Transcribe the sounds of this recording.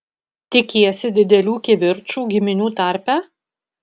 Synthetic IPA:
t̪ʲɪkʲiːsʲɪd̪ʲɪd̪ʲɛlʲuːkʲɛʋʲɪɾʲt͡ʃuːɡʲɪmʲɪnʲuːt̪ɑˑɾʲpʲæː

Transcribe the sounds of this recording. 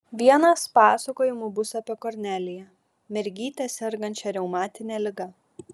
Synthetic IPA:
ʋʲiɛnɐspɑːsɐkoːjɪmuːbʊsɐpʲiɛkɔɾʲnʲæːlʲɪjɛ | mʲɛɾʲɡʲiːt̪ʲɛsʲɛɾɡɐnʲt͡ʃʲɛɾʲɛʊmɑːt̪ʲɪnʲɛːlʲɪɡɐ

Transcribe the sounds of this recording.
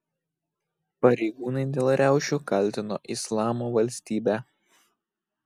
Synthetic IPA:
pɐɾʲɛɪɡuːnɐɪd̪ʲeːlˠɾʲæˑʊʃʲukɐlʲt̪ʲɪno̰ːʔɪslˠɑːmoːʋɐlʲsʲt̪ʲiːbʲæː

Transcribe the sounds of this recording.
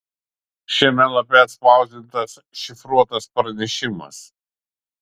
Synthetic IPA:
ʃʲiɛmʲɛlˠɐpʲɛɐt̪spɐˑʊzʲd̪ʲɪt̪ɐs | ʃʲɪfɾuɔt̪ɐspɾɐnʲɛʃʲɪmɐ̰s

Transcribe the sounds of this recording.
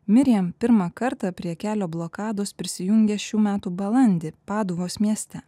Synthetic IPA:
mʲɪɾʲɛmpʲɪɾmɑkɐɾt̪ɑpʲɾʲiɛkʲæːlʲoːblˠoːkɑːd̪oːspʲɾʲɪsʲɪjʊŋʲɡʲɛʃʲuːmʲæːt̪uːbɐlˠɐnʲd̪ʲepɑːd̪uʋoːsmʲiɛsʲt̪ʲɛ

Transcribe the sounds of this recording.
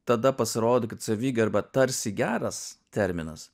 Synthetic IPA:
t̪ɐd̪ɐpɐsʲɪɾoːd̪okʲɪt̪sʲɐʋʲiːɡʲɐɾbɐt̪ɐɾʲsʲɪɡʲæːɾɐst̪ʲɛɾʲmʲɪnɐs

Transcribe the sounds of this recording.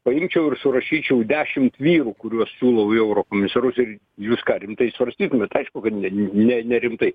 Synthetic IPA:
pɐɪmʲt͡ʃʲɛʊɪrsʊɾɐʃʲiːt͡ʃʲɛʊd̪ʲæːʃʲɪmt̪ʋʲiːɾuːkʊɾʲuɔssʲuːlˠɐʊɛʊɾoːkoːmʲɪsɐɾʊsɪɾ | juːskɑːɾʲɪmt̪ɐɪsʋɐɾʲsʲt̪ʲiːt̪ʊmʲɛt̪ɐɪʃkʊkɐt̪nʲɛnʲɛnʲɛɾʲɪmt̪ɐɪ

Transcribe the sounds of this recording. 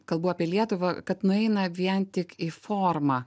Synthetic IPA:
kɐlˠbuːaːpʲiɛlʲiɛt̪ʊʋɐkɐt̪nʊɛɪnɐʋʲiɛnt̪ʲɪkifoːrmɐː

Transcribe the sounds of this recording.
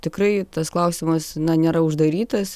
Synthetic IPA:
t̪ʲɪkrɐɪt̪ɐsklˠɐʊsʲɪmɐsnɐnʲeːɾɐʊʒd̪ɐɾʲiːt̪ɐs

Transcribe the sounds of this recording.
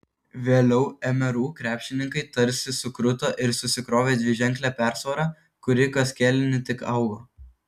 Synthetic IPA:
ʋʲeːlʲɛʊɛmʲɛɾuːkɾʲæːpʲʃʲɪnʲɪŋkɐɪt̪ɐɾʲsʲɪsʊkɾʊt̪oːʔɪɾsʊsʲɪkɾoːʋʲeːd̪ʲʋʲɪʒʲɛŋʲklʲæːpʲæˑɾsoːɾɑː | kʊɾʲɪkɐsʲkʲɛːlʲɪnʲɪt̪ʲɪkɐʊɡoː

